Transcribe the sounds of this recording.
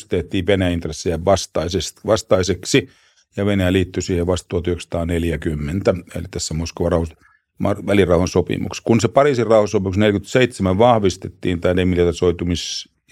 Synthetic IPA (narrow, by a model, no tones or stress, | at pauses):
st̪eht̪ːˑiːʋʋenæint̪resːejæʋɑst̪ɑisestʋɑst̪ɑiseksi | jɑʋenæjæliːt̪ːysiːheʋɑst̪ːˑuɑt̪yheksɑ̥t̪ɑːneljækymːent̪æḛlit̪æsːæmoskoʋɑrɑuhɑs | mɑʋælirɑˑuhɑnsopḭmṵkskunsepɑriːˑsirɑuhɑsopimuksnelkyt̪seit̪semæʋʋɑhʋist̪e̥t̪ːḭːnt̪æːnemːilɑrt̪ɑsoit̪umis